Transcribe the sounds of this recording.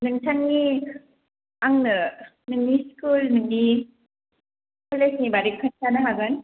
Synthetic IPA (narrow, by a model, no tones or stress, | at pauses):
nɯŋt͡ʃʰaŋni | aŋnɯ | nɯŋniskulnɯŋni | kʰɔlesnibaɾikʰɯnsʰanaɦaɡɯn